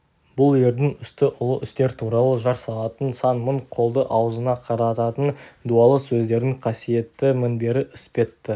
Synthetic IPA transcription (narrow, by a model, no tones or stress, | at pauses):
bʊlˠje̞ɾd̪ɪŋʏst̪ɪʔʊlˠəʔʏst̪e̞ɾt̪ʰuɾɑlˠəʒɑɾsɑlˠɑt̪ənsɑnməɴqʰo̞lˠd̪əʔɑwəzənɑqʰɑɾɑt̪ɑt̪ənd̪uɑlˠəsɵzd̪e̞ɾɪŋqʰɑsije̞t̪ːɪmɪnbe̞ɾɪʔʏspe̞t̪ːɪ